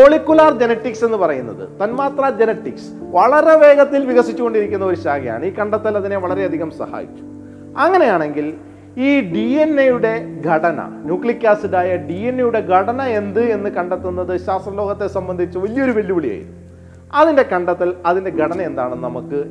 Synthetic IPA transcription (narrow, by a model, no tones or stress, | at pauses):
poɭikʲːulaːrd͡ʑenɐʈːikse̞nːɨpɐrɐjunːɐðɨ̰t̪ɐnmaːt̪rɐd͡ʑenɐʈːiksʋɐɭɐɾe̞ʋe̞ːɡɐt̪ːilʋiɣɐsit͡ɕːuɣo̞ɳɖiɾikʲːunːɐo̞ɾuɕaːɡɐja̰ːɳɨiːkɐɳɖɐt̪ːɐlɐðine̞ʋɐɭɐɾe̞ɐd̪ʱiɣɐmsɐ̰ha̰ːjḭt͡ɕʲːu̥ | ɐŋːɐne̞jaːɳe̞ŋɡil | iːɖie̞nːejuɽe̞ɡʱɐɽɐnɐ̰njuːkɭikʲːaːsiðaːjɐɖienːejuɽe̞ɡʱɐɽɐnɐe̞nd̪ɨe̞nːɨkɐɳɖet̪ːunːɐðɨɕaːst̪rɐlo̞ːɣɐt̪ːe̞sɐmbɐnd̪ʱit͡ɕːɨʋɐlijoɾuʋɐljibɐɭija̰ːjḭnːu | ɐðinde̞kɐɳɖɐt̪ːɐlɐðinde̞ɡʱɐɽɐnɐe̞nd̪a̰ːɳɨnɐmukːɨ